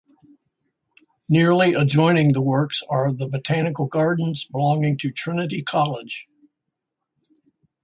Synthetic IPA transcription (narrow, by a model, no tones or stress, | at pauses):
nɪɹliʔəd͡ʒɔ̃ɪ̃nɪ̃ŋðəwɜ˞ksə˞ʌðəbɨtʰænɨkl̩ˠɡɑɹdⁿn̩zbəlɔ̃ŋɪ̃ŋtʰɨtʰɹ̥ɪnɨɾikʰɑlˠɪd̥ʒ̥